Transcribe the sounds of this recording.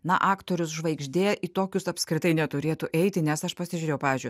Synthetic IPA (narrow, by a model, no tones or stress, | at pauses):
nɐʔɑːkt̪oːɾʲʊsʒʋɐɪɡʒʲd̪ʲeːjʔit̪oːkʲʊsɐpskɾʲɪt̪ɐɪnʲɛt̪ʊɾʲeːt̪ʊʔɛɪt̪ʲɪnʲɛsɐʃpɐsʲɪʒʲʊɾʲeːjʊpɑːʋʲɪzʲd͡ʒʲʊɪ